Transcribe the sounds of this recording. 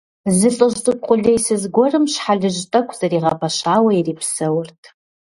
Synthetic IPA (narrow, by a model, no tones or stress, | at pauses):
zɨɬʼɨʒtʼɨqʷʼʊɮejsɨzɡʷɔrɨmʃħaɮɨʒtʼɐkʷʰʼz̥ɐɾiːʁɐpʰɐʃaːwɐiriːpʰsɐwʊrtʰʼ